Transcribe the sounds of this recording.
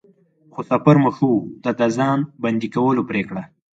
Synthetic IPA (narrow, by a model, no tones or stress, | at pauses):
xosapaɾməxut̪ad̪azɑnband̪ikawəlopɾekɽa